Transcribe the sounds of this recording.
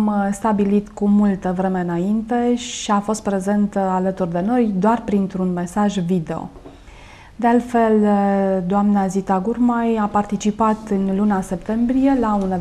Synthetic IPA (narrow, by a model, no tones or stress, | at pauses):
mst̪abilit̪kumult̪əvɾe̞me̞ɨnaint̪e̞ʃiafo̞st̪pɾe̞ze̞nt̪əalət̪urd̪e̞no̞jd̪oarpɾint̪ɾunme̞saʒvid̪e̞o̞̰ | d̪e̞alt̪fe̞ld̪oamnazit̪aɡurmajapart̪it͡ʃipat̪ɨnlunase̞pt̪e̞mbɾije̞laune